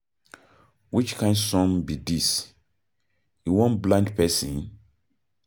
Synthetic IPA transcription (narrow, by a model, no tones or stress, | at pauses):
wit͡ʃkʰãɪ̃nsɔ̃ŋbidis | iwɔ̃nblãnkpʰɛsḭ̃n